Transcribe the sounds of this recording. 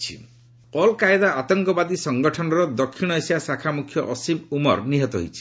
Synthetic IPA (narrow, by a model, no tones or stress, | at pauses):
t͡ʃʰḭ | ɔlkaed̪aat̪ɔŋkɔbad̪isɔŋɡɔʈʰɔnɔɾɔd̪ɔkʰːiɽ̃ɔesasakʰamukʰjɔʔɔsimumɔ̰ɾniɦɔt̪ɔɦo̰jt͡ʃʰi̥